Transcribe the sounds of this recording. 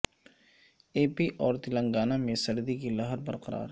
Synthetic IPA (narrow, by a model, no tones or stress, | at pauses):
eːpiʔɔːɾt̪ɪlə̃ŋɡaːnamẽsɐɾd̪ikilɐɦəɾbɐɾqɐɾa̰ːɾ